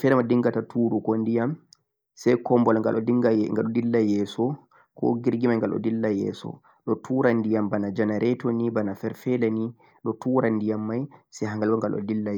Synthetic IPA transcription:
fɛlmadiŋɡatatʰuːɾukɔndijam | sɛjkɔmbɔlaŋɡa̰lʔɔiŋŋɡalɗɔdilːajɛːsɔ | kɔ̰ɡiɾɡimajŋɡalɗɔ̰dilːajɛ̰ːsɔ̰ | ɗɔtʰuːɾandijambanad͡ʒanaɾɛtonibanafɛɾfɛlani | ɗɔtuɾandijamːajsɛɦaŋɡalbɔŋɡalɔ̰dilːa

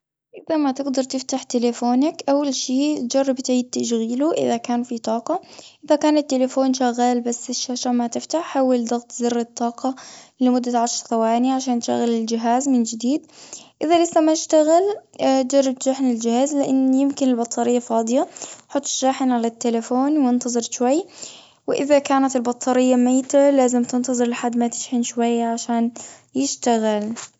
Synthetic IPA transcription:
ʔɪðamat̪ɪɡd̪ɑɾˤt̪ɪft̪aħt̪ɪlafoːnakʔawːalʃiːt̪d͡ʒɑrˤːɑbt̪ʕiːd̪̚t̪aʃɣiːluʔɪ̰ðakaːnfit̪ˤɑːqɑʔɪðakaːnat̪ːɪlafoːnʃaɣːaːlbasːɪʃːaːʃamat̪ɪft̪aħħawːald̪ɑɣt̪ˤzɪrːɑt̪ˤːɑːqɑlɪmʊd̪ːaʕaʃɾˤθawaːnɪjaʕaʃaːnt̪ʃa̰ɣːalɪld͡ʒɪɦaːzmɪnd͡ʒɪd̪iːd̪ʔɪðalɪsːamaɪʃt̪aɣɪlt̪d͡ʒɑrˤːɑb̚t̪ʃaːħɪnɪld͡ʒɪhaːzlɪʔɪnːjɪmkɪnɪlbɑt̪ˤːɑɾɪjːafɑːd̪ˤɨjaħʊt̪ˤːʃːaːħɪnʕalat̪ːelafoːnwɪnt̪ɑzˤɨɾʃwajː | wɪʔɪðakaːnat̪ɪlbɑt̪ˤʰːɑɾɪjːamaːt̪alaːzɪmt̪ɪnt̪ɑzˤɨɾlɪħad̪ːmat̪ɪ̥ʃħɪnʃwajːaʕaʃaːnjɪʃt̪aɣɪl

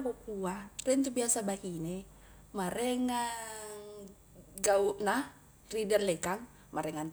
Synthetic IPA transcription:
kopuarɛnt̪ubiasabahine | maɾɛŋaŋ | ɡaunah | ridɛrlɛkaŋ | maɾɛŋan

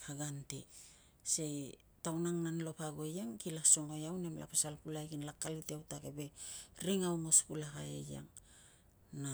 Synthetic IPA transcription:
haɡantḭ | sej | tawnaŋnanlo̞paɡo̞jaŋkilaso̞ŋo̞jawnemla̰pasalpulajkinlakːalitiawtakebe̞ɾiŋawŋo̞spulahaḛja̰ŋ | na

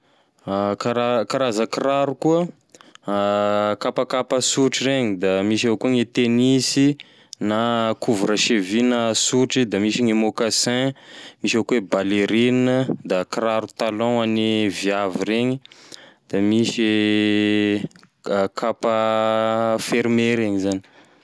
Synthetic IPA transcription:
kaɾakaɾazəkiraɾukuə | kapakapəsuʈ͡ʂireɲid̪amiʃawkuŋet̪enisi | nakuvuɾaʃevinasuʈ͡ʂid̪amiʃiŋemokasɛ̃miʃakuwebaleɾinəd̪akraɾut̪alɔ̃anivjaviɾeɲid̪̥amise | kʰapa | feɾmeɾeɲizani̥

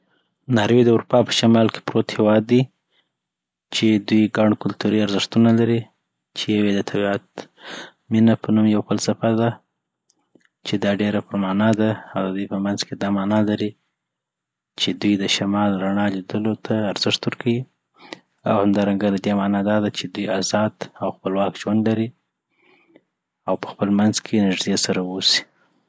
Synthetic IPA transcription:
nɑɾwed̪əuɾupɑpə̥ʃamɑlke̥pɾot̪hewɑd̪ːi | t͡ʃed̪ujɡaɳkʊlt̪uɾiaɾzɪʂt̪unalaɾi | t͡ʃejawed̪ət̪ʰabiat̪ | minapənumjawpəlsafaɾd̪a | t͡ʃed̪ɑɖeɾapəɾmɑnɑd̪aːwd̪əd̪ujpəmanzked̪ɑmɑnɑlaɾi | t͡ʃed̪ujd̪əʃamɑlɾaɳɑlid̪əlot̪ʰaːɾz̥ɪʂt̪wəɾkʰawi | a̰whamd̪ɑɾaŋɡad̪ad̪emɑnɑd̪ɑd̪at͡ʃed̪ujazɑd̪awxpəlwɑkʒwand̪laɾi | awpə̥xpəlmanzkʰenɪʒd̪jesaɾawosi̥

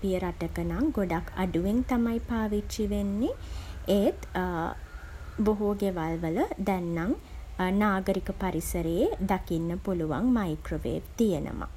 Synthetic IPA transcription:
pijəɾaʈəkənaŋɡoɖakʰːa̰ɖuʋeŋt̪amajpaːʋit͡ʃːiʋenːeeːt̪ | boɦuɡeʋalʋələd̪ɛnːaŋ | naːɡəɾikəpaɾisəɾəjed̪akinːəpuluʋa̰ŋmajkroʋḛːt̪ijənə̰ma̰

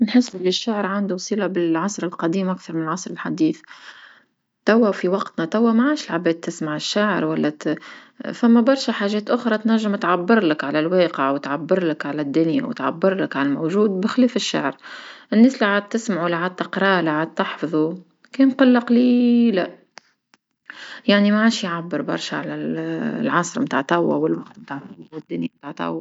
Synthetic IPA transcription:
nħɪsːʔɪlːiʃːaʕɾʕand̪usˤiːlabɪlʕɑsˤɾɪlqɑd̪iːmʔakθɑɾˤmɪnɪlʕɑsˤɾˤɪlħad̪iːθ | t̪æwːæwfiwɑqt̪nat̪æwːæmaʕaːʃɪlʕabɛːd̪̚t̪ːɪsmaʕɪʃːaʕəɾwalːæ | fæmːæbɑɾˤʃæħaːʒɛːt̪ʔʊxɾˤɑt̪næʒːɪmt̪ʕabːɨɾˤlɪkʕalælweːqəʕwɪt̪ʕabːɪɾˤlɪkʕalæd̪ːʊnja̰wɪ̰t̪ʕa̰bːɪɾlɪkʕalælmowʒuːd̪̚bɪxlɛːfɪʃːa̰ʕɾʔɪnːeːsliʕaːd̪̚t̪ɪsmaʕulːiʕaːd̪̚t̪ɪqɾˤɑːlaʕaːd̪̚t̪ɑħfɑðˤu | kɛːnqɑlːɑqlilæ | jaʕnimaʕaːʃjʕabːəɾbɑ̰ɾˤʃaʕalælʕɑsˤɾmt̪a̰ʕt̪ˤɑwːa̰wɪlwaqt̪mt̪aːʕt̪wɪd̪ːʊnjamt̪aʕt̪ˤɑ̰wː

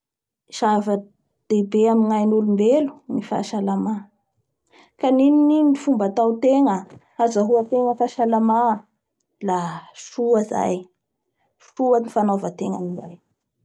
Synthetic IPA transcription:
iʃavə | d̪̥ebeamiŋajnulumbelu̥nifa̰ʃalama | kaninininifumbat̪awt̪eŋə | azaɦuat̪eŋəfaʃalama | laʃuaza̰j | ʃuanifanovət̪eŋə̰ninaj

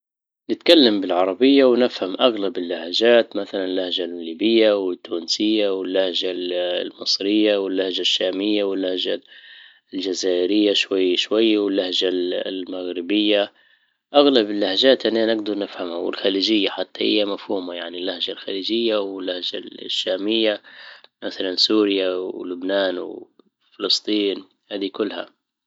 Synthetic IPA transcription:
nɪt̪kalːambɪlʕɑɾˤɑbɪjːawnɪfhamʔaɣlabɪlːahaʒaːt̪maθalanɪlːahʒallːiːbɪjːawɪt̪ːuːnsɪjːawɪlːahʒalmɨsˤɾɪjːawɪlːahʒaʃːaːmɪjːawɪlːahʒa | ld͡ʒazaːʔɪɾɪjːaʃwajːʃwajːwɪlːahʒalmaɣɾɪbɪjːa | ʔaɣlabɪlːahd͡ʒaːt̪ʔanːanɪɡd̪ɑɾˤnɪfhamhawɪ̰lxaliːd͡ʒɪjːaħat̪ːahɪ̰jːamafhuːmajaʕnilːahd͡ʒalxaliːd͡ʒɪjːawɪlːahd͡ʒa̰ʃːaːmɪjːamaθalansuːɾjawlʊbnaːnwɪ̰ | fɪlɨsˤt̪ˤiːn | haːd̪ikʊlːha̰

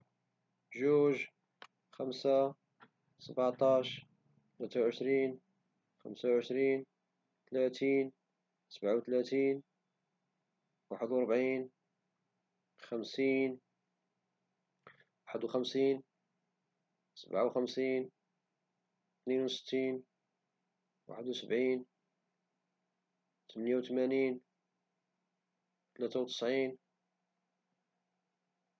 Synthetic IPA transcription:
ʒuʒ | xæmsa | səbʕʕt̪ˤɑʃ | t̪læt̪awʕəʃɾiːn | xəmsawʕəʃɾiːn | t̪læt̪iːn | səbʕawt̪læt̪iːn | waħəd̪wɑɾˤbʕiːn | xæmsiːn | waħəd̪wxæmsiːn | səbʕawxəmsiːn | t̪ninwsə̥t̪ːiːn | wa̰ħəd̪wsəbʕin | t̪əmənjawt̪mænin | t̪læt̪awt̪ə̥sʕin

